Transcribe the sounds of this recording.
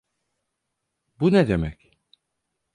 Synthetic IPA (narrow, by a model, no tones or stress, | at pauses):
bunɛd̪emɛc